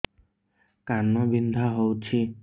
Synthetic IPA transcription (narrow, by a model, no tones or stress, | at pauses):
kanɔbind̪ʱaɦowt͡ʃʰi